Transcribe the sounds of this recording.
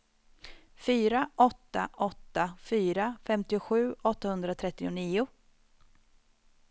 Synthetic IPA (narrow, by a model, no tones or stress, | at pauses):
fyːɾaʔɔt̪ːa̰ʔɔt̪ːafyːɾafɛmt̪ɪʊɧʉ̟ːɔt̪ːahɵnd̪ɾat̪ʰɾɛt̪ːɪʊniːʊ